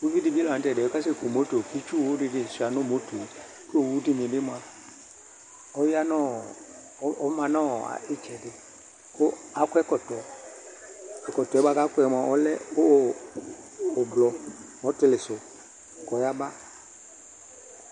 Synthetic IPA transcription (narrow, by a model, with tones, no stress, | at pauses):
wu˦vi˦di˨bi˦ltɛ˨do˦ka˦s̬ɪ˦ko˨mo˨˦to˨ki˦t͡ʃu˦˨wu˦dɪ˧dɪ˦˨sa˨nʊ˦˨mo˨˦to˨ | ku˦o˨wu˨˦di˦mɪ̃˨dɪ˦mo˨a˨ | ɔ˦jja˦nɔ̃˦˨˦ | ɔ˦mã˨nɔ̃˦˨a̰˨ɪ˦t͡ʃɛ˨dɪ˨ | kʊ˦a˨˦kʷɛ˦kɔ˨tɔ˨ | ɛ˨kɔ˨tɔ˨ɛ˦ba˦ka˦kʊ˦ɛ˨m˨a˨ɔ˦lɛ˦o˦˨ | blɔ˨mɔ˨˦tɪ˦lɪ˨sʊ˨ | kɔ˨ja˦ba˦